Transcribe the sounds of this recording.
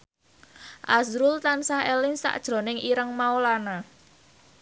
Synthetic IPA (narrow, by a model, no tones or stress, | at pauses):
ʔazɾult̪ansaɦelɪŋsa̰ʔd̥ʒ̥ɾo̤nɪŋʔiɾəŋmaolana